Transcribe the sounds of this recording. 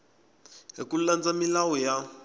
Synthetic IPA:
ɦḭkuland͡zamilawɔja

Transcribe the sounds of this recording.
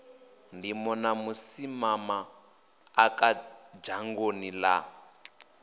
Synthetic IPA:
ndimɔnamusimamaː | kad͡ʒaŋɡonila̰

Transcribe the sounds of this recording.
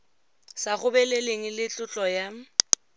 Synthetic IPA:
saχʊbɛleleŋ̩lɪt͡ɬʼʊt͡ɬʼɔja

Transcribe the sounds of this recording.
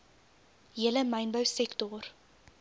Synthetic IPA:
ɦiələmɐjnbœwsɛktɔr

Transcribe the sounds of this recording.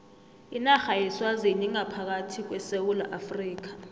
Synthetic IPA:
inaxajɛswazeniŋapʰak̬atʰik̬wɛsewula̰ʔafriːk̬ḁ

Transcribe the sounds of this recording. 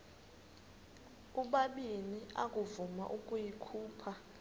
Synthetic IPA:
uɓaɓinia̰kʼuvuma̰ʔukʼujikʰuːpʰa

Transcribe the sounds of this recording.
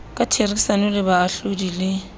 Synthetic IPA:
kʼatʰerisanʊlɪbaːɬodilɪ

